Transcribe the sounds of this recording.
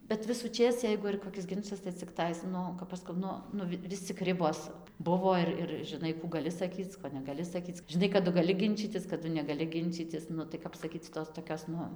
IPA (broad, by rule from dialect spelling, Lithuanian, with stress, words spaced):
bʲɛt ʋʲɪsʊˈt͡ʃʲeːs ˈjɛɪɡʊ ɪr koːˈkʲɪs ˈɡʲɪnt͡ʃɐs tɐɪ t͡sʲɪkˈtɐɪs ˈnʊ kɐp ˈɐʃ skɐʊ ˈnʊ ˈnʊ ˈʋʲɪs t͡sʲɪk ˈrʲɪboːs ˈbʊʋoː ɪr ɪr ʒʲɪˈnɐɪ kuː ɡɐˈlʲɪ sɐˈkʲiːt͡s ˈkoː nʲɛɡɐˈlʲɪ sɐˈkʲiːt͡s ʒʲɪˈnɐɪ kɐˈdʊ ɡɐˈlʲɪ ˈɡʲɪnʲt͡ʃʲiːtʲɪs kɐˈdʊ nʲɛɡɐˈlʲɪ ˈɡʲɪnʲt͡ʃʲiːtʲɪs ˈnʊ tɐɪ ˈkɐp sɐˈkʲiːt͡s ˈtoːs toːˈkʲoːs ˈnʊ